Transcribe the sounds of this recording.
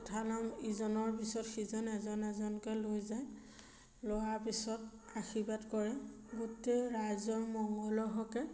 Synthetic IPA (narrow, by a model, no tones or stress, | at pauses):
tʰalamizɔnɔɹpisɔtxizɔnɛzɔnɛzɔnkɔlojzaj | lɔwaɹpisɔt | axibatkɔɹɛ | ɡuteɹajzɔɹmɔŋɡɔlɔɦɔkɛ